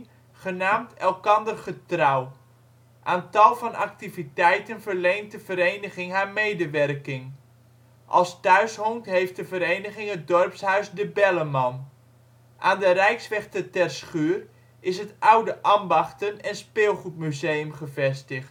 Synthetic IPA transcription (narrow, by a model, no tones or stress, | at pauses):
χənaːmtɛlˠkɑndərχətrɑw | ʔaːntɑlˠvɑnɑ̰k̚tivitɛjtənvərlejntdəvəɾejnəχɪŋɦaːɹmejdəʋɛrkɪŋ | ʔɑ̰lˠstœɥsɦɔŋtɦejft̚dəvəɾejnəχɪŋɦət̚dɔrpsɦœɥsdəbɛləmɑn | ʔaːndərɛjksʋɛχtətɛrsχyːr | ɪsɦətawdəʔambɑχtənɛnspɪːlˠχut̚myzejəmχəvɛstəχt